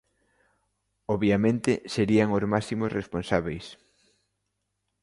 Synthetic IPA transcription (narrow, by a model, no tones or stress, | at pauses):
oβjamẽnt̪ɪseɾiaŋozmasimosresponsaβejs